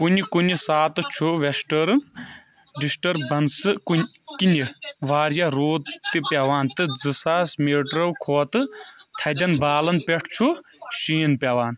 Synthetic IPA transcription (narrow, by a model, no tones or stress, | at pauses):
kunikunisaːt̪ɨt͡ʃʰuʋesʈɐɾ | ɖisʈɐɾbɐnsɨkukiniʋaːɾjaɾoːt̪ːipʲjaʋaːnt̪ɨd͡zɨsaːsmeːʈɾɐwkʰoːt̪ɨt̪ʰɐd̪ʲɐnbaːlɐnpʲeʈʰt͡ʃʰu | ʃiːnpʲɐʋaːn